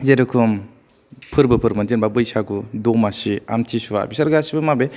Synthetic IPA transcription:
zeɾɯkʰum | pʰɯɾbɯpʰɯɾmɐntinbabɯjsaɡudomasia̰mtʰisuwa̰bisɐɾɡasibɯmabe

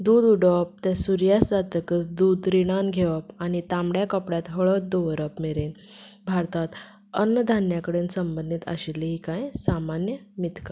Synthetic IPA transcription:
d̪uːd̪uɖəp̚t̪ɛ̃suɾjasd͡zat̪əkəsd̪uːd̪ɾiɽ̃anɡʱeʋəpañit̪ãmɽjakəpɽjat̪ɦəɭəd̪oʋɾəpmeɾen | bʱaɾt̪at̪ | ənːəd̪ʱanjakəɽeːnsəmbənd̪ʱit̪a̰ɕiliɦikãjsamanjəmit̪ka

